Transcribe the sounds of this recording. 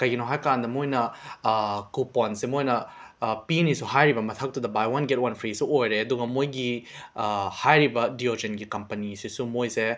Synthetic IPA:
kɐjɡinɐwɦajkand̪ɐmojnɐ | kupɔnsemojnɐpinisuɦajɾibɐmɐt̪ʰɐk̚tud̪ɐbajwɐnɡet̚wɐnpʰɾisuojɾeɐd̪uɡɐmojɡi | hajɾibɐdiod͡ʒenɡikɐmpɐnisisumojse

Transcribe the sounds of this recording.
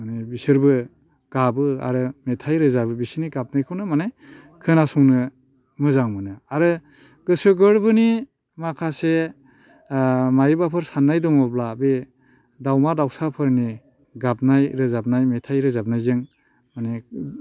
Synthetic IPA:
manebisɯɾbɯ | ɡ̥abɯa̰ɾɯmetʰajɾɯzabɯbisɯniɡap̚najkʰɯwnɯmanaj | kʰɯnasɔŋnɯ | mɯzaŋmɯnɯaɾɯ | ɡ̥ɯsɯɡɯɾbɯni | makʰase | majibapʰɯɾsanːajdɔŋɔblabe | dawmadawsapʰɯɾni | ɡap̚najɾɯzab̚najmetʰajɾɯzab̚najzɯŋ | mane

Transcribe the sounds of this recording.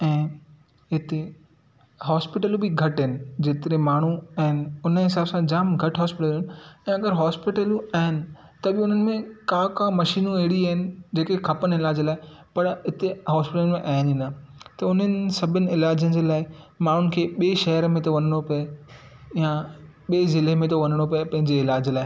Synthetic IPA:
ɛ̃ː | ɦɪt̪e | ɦɔːspɪʈəlũbɪɡʱɐʈɦɪnɪ̆d͡ʑeːt̪ɪɾemaːɳ̤uɐːɦɪnɪ̆ʊnəɦɪs̬aːbsãd͡ʑaːmɡʱɐʈɦɔːspɪʈəlːʊnɪɛ̃ːɐɡəɾɦɔːspɪʈəluaɦɪnɪ̆ | t̪ɐbɪʊn̤ənɪ̆mẽkãkãːmɐʃiːnũeɦɪɽiaːɦɪnɪ̆d͡ʑeːkekʰɐpənɪlaːd͡ʑlaːɪpɐɾɪt̪eɦɔːspɪʈəlmẽʔaːninɐt̪ɐʊnənɪ̆sɐbʱɪnɪ̆ɪlaːd͡ʑənɪ̆d͡ʑeːlaːɪ | maːɳ̤ʊnɪ̆kʰeːɓeːʃɐɦəɾmẽt̪oʋɐnəɽ̃opɐe | jãɓeːzɪlemẽt̪oʋɐnəɽ̃opɐepɐ̃ɦɪ̃ɲd͡ʑeɪlaːd͡ʑlaːɪ

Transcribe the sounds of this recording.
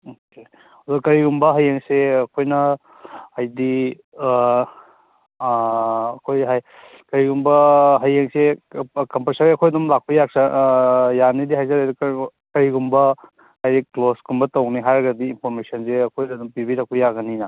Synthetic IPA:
oke | odukɐɾiɡumbɐɦɐjeŋseɐkʰojnɐ | hajdi | kʰojɦaj | kɐɾiɡumbɐɦɐjeŋsekɐmpɾsaɾeɐkʰojɐdumlak̚pɐjak̚sɐ | janidiɦajzɐɾadkkɐɾiɡumbɐ | ajdiklosɡumbɐtɐwniɦaɾɐɡɐdiːnpʰoɾmesɐnseɐkʰojɐdumpibiɾak̚pʰɐjaɡɐnina

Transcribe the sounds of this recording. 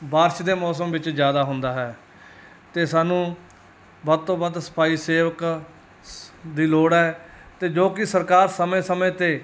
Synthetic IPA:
baːɾʃd̪eːmɔːsəmʋɪt͡ʃd͡ʒjaːd̪aːɦʊnd̪aːɦɛː | t̪eːsaːnũː | bəɾt̪õːbəd̪sə̥paːiːseːʋək | d̪iːloːɽɛːt̪eːd͡ʒoːkɪsəɾkaːɾsəmẽːsəmẽːt̪eː

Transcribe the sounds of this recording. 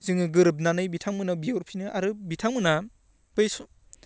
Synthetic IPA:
zɯŋɯɡɯɾɯp̬̚nanɯjbitʰaŋmɯnabioɾpʰinɯʔaɾɯbitʰaŋmɯna | b̥ɯjsu

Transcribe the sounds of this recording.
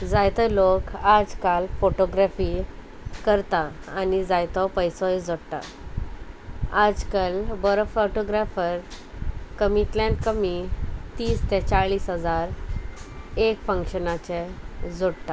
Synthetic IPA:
d͡zajt̪əlokad͡zkalfoʈoɡɾafi | kəɾt̪aː | nid͡zajt̪ɔpəjsɔjd͡zoɽt̪a̰ | ad͡zkalbəɾfɔʈoɡɾafəɾ | kəmit̪lãnʈkəmit̪iːst̪ʰɛ̃t͡ɕaɭiːsɦəd͡zaɾ | ekfə̃ŋkɕənat͡ɕɛd͡zoɽt̪a

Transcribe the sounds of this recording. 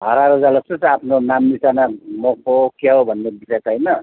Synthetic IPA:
ɦʌɾaɾod͡zalʌstosapʰnonamːisanamokokʰaɦobʱʌnːebisʌjt͡sʰʌjnʌ

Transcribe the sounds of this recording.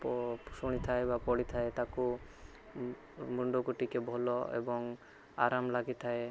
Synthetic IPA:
psuɽ̃it̪ʰaebapɔɽit̪ʰaet̪aku | muɳɖokuʈikebʱɔlɔḛbɔŋ | a̰ɾamlaɡit̪ʰae

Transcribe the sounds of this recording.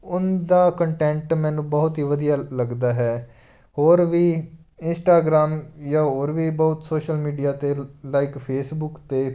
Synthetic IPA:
ʊnd̪aːkəɳʈɛ̃ːɳʈmɛ̃ːnũːbəɦʊt̪ɦiːʋəd̪ijaːləɡd̪aːɦɛː | ɦoːɾʋiː | ɪnsʈaːɡɾaːmjaːɦoːɾʋiːbəʊt̪soːʃəlmiːɖijaːt̪eːlaːɪkpʰeːsbʊkt̪eː

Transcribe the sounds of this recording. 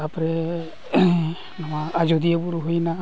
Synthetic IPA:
apɾɛ | namaːd͡ʒɔd̪iabuɾuɦujna

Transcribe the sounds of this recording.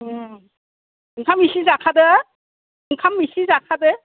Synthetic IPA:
ɯŋkʰamisizakʰad̪ɯ | ɯŋkʰamisizakʰadɯ

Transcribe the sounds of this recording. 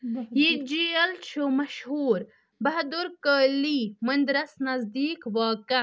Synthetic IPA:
jid͡ʒiɐlt͡ʃʰumɐʃhuːɾ | bɐɦd̪uɾkəːlimɐnd̪ɾɐsnɐzd̪iːkʋaːkɐ

